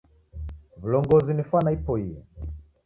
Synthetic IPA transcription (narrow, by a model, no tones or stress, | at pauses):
vulɔŋɡɔzinifwanaipɔijɛ